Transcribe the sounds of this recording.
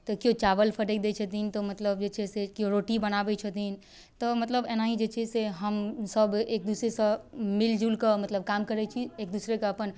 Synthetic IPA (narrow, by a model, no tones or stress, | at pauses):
t̪ɔkjot͡ʃaʋəlpʰəʈəkd̪et͡ʃʰət̪int̪ɔmət̪ləbd͡ʒet͡ʃʰɛsekjoɾoʈibənabɛt͡ʃʰət̪in | t̪ɔmət̪ləbenaɦid͡ʒet͡ʃʰɛseɦəmsəbeːk̚d̪usɾesə̃mild͡ʒulkəmət̪ləb̚kamkəɾɛt͡ʃʰiek̚d̪usɾekeəpən